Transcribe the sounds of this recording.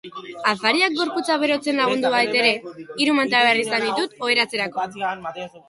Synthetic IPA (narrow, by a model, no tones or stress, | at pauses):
afaɾiak̚ɡo̞ɾput͡saβ̞e̞ɾo̞t͡se̞nlaɣ̞und̪uβajt̪e̞ɾe̞iɾumant̪aβerisand̪it̪ut̪o̞e̞ɾat͡se̞ɾako̞